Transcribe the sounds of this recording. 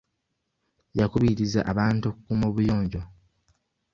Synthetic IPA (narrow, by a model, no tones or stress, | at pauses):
jakuβiɾiza̰ʔaβaːntuokukuːmo̞ːβujo̞ːɲɟo̞